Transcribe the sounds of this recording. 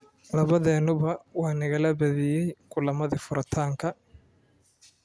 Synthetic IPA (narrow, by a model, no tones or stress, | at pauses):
lɐβɐðɛːnːʊβɐwaːnɪɣɐlɐbɐðɪjɛjkʰʊlɐmɐðɪfʊɾɐt̪ʰaːŋkʰɐ